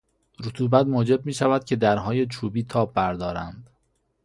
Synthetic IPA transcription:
ɾot̪ʰuːbæt̪moːd͡ʒe̞b̚miːʃævæd̪̥̚cʰe̞d̪æɾɦɒːje̞t͡ʃʰuːbiːt̪ʰɒːbːæɾd̪ɒːɾæ̰nd̪̥

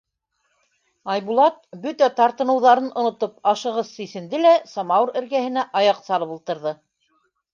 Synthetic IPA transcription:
ɑjβulˠɑt̪̚bɵt̪æt̪ɑɾt̪ɤ̆nɤ̆wðɑɾɤnʔŏnŏt̪ɤp̚ɑʃɤ̆ʁɤðsisɘ̆nd̪ɘlæsɑmɑwɤɾɘ̆ɾɡæhɘ̆næʔɑjɑqsɑɾˠɤpulˠt̪ɤ̆ɾðɤ

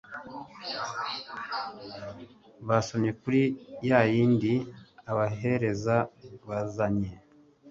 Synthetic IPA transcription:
βasomɲe̞kuɾijajiːndiaβaɦe̞ɾe̞zaβazaɲe̞

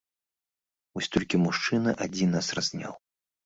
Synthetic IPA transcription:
vɔsʲt̪ɔlʲkʲimuʂt͡ʂɨnɐʔad͡zʲinːasrazʲnʲa̰w

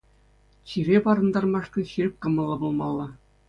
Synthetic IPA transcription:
t͡ɕiɾʲepɑɾɤ̆nd̪ɑrmɑʂkɤ̆ɕirʲɘ̆p̚ʲkɤ̆mɤ̆lˠːɤbulˠmɑlˠːɑ

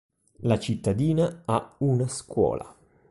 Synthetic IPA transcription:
lat͡ʃit̪ːad̪iːnaaunaskwɔ̰ːlʔa̰

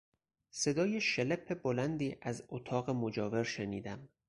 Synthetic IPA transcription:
se̞d̪ɒːjeʃelepʰːe̞bolænd̪iːʔæzot̪ʰɒːɣemod͡ʒɒːve̞ɾʃeniːd̪æm

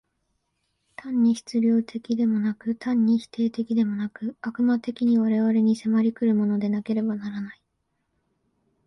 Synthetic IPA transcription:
t̪ʰãɲ̟ːiçi̥t͡sɨbʲjo̞ːt̪ʰe̞kʲid̪e̞mo̞nakɯ̟t̪ʰãɲ̟ːiçi̥t̪ʰe̞ːt̪e̞kʲid̪e̞mo̞nakɯ̟akɯ̟mat̪e̞kʲiɲ̟iβ̞aɾe̞βaɾe̞ɲ̟ise̞maɾʲikɯ̟ɾɯ̟mo̞no̞d̪e̞nake̞ɾe̞banaɾanai

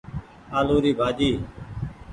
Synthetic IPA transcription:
aːloːɾiːbʱaːd͡ʒiː

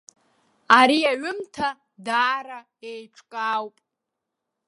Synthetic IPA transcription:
aɾiaɥʊmtʰa | daːɾa | ejʈ͡ʂʰkʼaːwpʼ

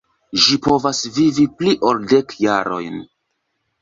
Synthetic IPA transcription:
ʒipo̞vasvivipliʔo̞lde̞kjaɾo̞̰jn

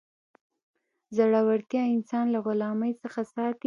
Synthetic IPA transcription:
zaɽawaɽt̪jɑɪnsɑnlaɣʊlɑməjt͡səxasɑt̪

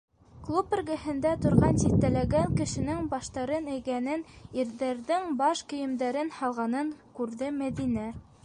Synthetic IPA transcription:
klˠup̆rʲɡɘ̆hɘ̆nd̪æt̪ŏɾʁɑnsiθt̪ːælæɡæŋkɘ̆ʃɘ̆nɘŋbɑʃt̪ɑɾɤnæ̆jkænɘniɾðæɾðɘŋbɑʃkɵ̆jɘ̆md̪æɾɘnhɑlˠʁɑnɤŋkʉɾðɘmæðinæ

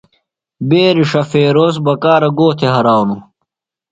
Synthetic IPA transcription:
beːɾiʂɐfeːɾoːs̬bɐkaːɾɐɡoːt̪ʰeɦɐɾaːwnu

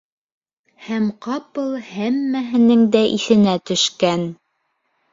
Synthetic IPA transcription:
hæmqɑpɤlˠhæmːæɦɘ̆nɘŋd̪æʔiθɘ̆næt̪ɵ̆ʃkæn

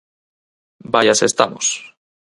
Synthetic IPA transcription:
bajasest̪amos

